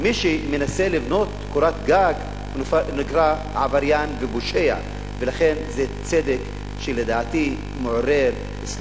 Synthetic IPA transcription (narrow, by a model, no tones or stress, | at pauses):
miʃimenaselivno̞t̪koɾat̪ɡaɡ | niɡɾa | ʕavaɾjanveboʃeja̰ | velaχe̞nzet͡sed̪ek | ʃeled̪aːt̪i | meʕoɾeɾ | es